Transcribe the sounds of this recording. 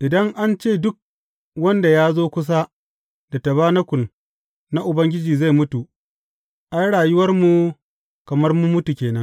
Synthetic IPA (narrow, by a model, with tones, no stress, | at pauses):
ʔɪ˨dɐ˦ŋʔa˦nt͡ʃeː˦˨dʊ˦k̚ | wɐ˦nda˨jaː˦zoː˦kʷʊ˦s̬a˦ | da˨ta˨βaː˦nɐ˦kʷʊ˨n | na˦ʔʊ˨bɐ˦ŋɡʲɪ˦d͡ʒiː˨za˦˨jmʊ˦tu˨ | ʔa˦jɽaː˨jʊ˦wɐ˦rmu˨ | kɐ˨mɐ˦rmʊ˦mʊ˦tu˨kʲeː˨nɐ˦ŋ